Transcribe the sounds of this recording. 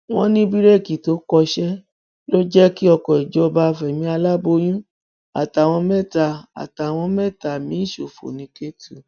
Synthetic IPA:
w̃ɔ̃˦nĩ˦bi˦ɾe˦˨ki˨to˨˦kɔ˧ʃɛ˦ | lo˦d͡ʒɛ˦ki˦ɔ˧kɔ̃˨i˨d͡ʒɔ˧˦˧ba˧fɛ˨mĩ˧˦a˧la˦bo˧j̃ũ˦ | a̰˨ta˨w̃ɔ̃˧mɛ̃˦˨ta˧˨a̰˨ta˨w̃ɔ̃˧mɛ˦˨ta˨mĩ˨˦n̩˦ʃo˨fo̰˨nĩ˨˦ke˦tu˨

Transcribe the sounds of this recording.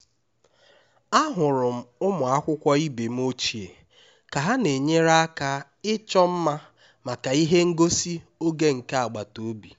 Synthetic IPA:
a˦ɦʊ˨ɾʊ˨m̩˦ʊ˦mʊ˨a˦kʷʊ˦kʷɔ˦i˦be˨m̩˦o˦t͡ʃi˨e˨ | ka˨ɦa˦ne˨ɲe˦ɾa˦a˦ka˦ | ɪ˦t͡ʃɔ˦m̩˦ma˦ | ma˨ka˨i˦ɦe˦ŋ̩˦ɡo˦si˦o˦ɡe˦ŋ̩˨ka˦a˨ɡ͡ba˨to˨˦bi˨

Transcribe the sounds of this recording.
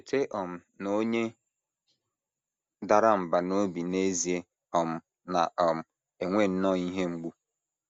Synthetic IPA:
e˨tʰe˦ʔɔ˨m̩˨ | no˦ɲe˦ | da˨ɾa˦m̩˨ba˨no˦bi˨ne˦zi˨e˦ | ɔ˨m̩˨ | na˨ʔɔ˨m̩˨ | e˨ŋʷe˦˨n̩˦nɔ˦˨i˦ɦe˦ŋ͡m̩˦ɡ͡bu˦

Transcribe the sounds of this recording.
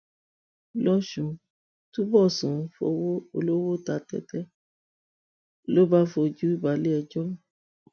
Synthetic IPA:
lɔ˦ʃũ˧ | tũ˦bɔ˦˨sũ˨˧˦fo̰˧wo˦o̰˧lo˦wo˦ta˨˧tɛ̰˦tɛ˦ | lo˦ba˦fo˧d͡ʒu˦i˦˨ba˨˦le˦ɛ˧d͡ʒɔ̃˦˨

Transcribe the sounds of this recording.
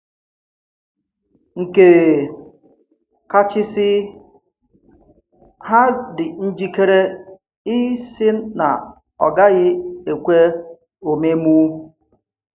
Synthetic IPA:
ŋ̩˨ke˨ | ka˦t͡ʃɪ˦sɪ˦ | ha˦dɪ˨n̩˦d͡ʒi˦ke˦ɾe˦ | i˦sɪ˦na̰˨ | ɔ̰˨ɡa˦ɣɪ˦e˨kʷe˦ | o˨me˦mu˦

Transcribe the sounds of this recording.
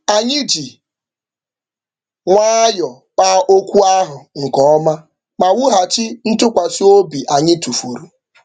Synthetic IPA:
a˨ɲɪ˦d͡ʒi˨ | ŋʷaː˦jɔ˨ | pa˦ʔo˦kʷu˦a˦ɦʊ˨ŋ̩˨kɔ˦ɔ˦ma˦ | ma˨wʊ˦ɦa˨t͡ʃɪ˦n̩˦tʊ˦kʷa˨su˦o˦bi˨ʔa˨ɲɪ˦tu˨fu˨ɾu˨

